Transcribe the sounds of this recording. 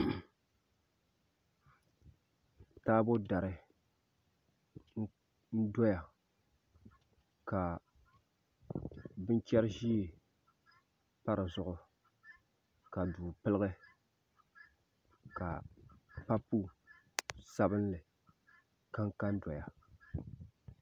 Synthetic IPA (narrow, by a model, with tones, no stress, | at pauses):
taː˦bo˦da˨ɾɨ˨ | n̩˦ | n̩˦dɔ˦ja˨ | ka˨ | bɨ˦n˦t͡ʃɛ˦ɾʒi˦e˨ | pa˦ɾɨ˨zʊ˨ʔʊ˨ | ka˨duː˨pɨ˦lɨ˦ɣɨ˦ | ka˨pa˦pu˦ | sa˦bɨ˦n˦lɨ˨ | ka˦ŋka˦n̩˦dɔ˨ja˨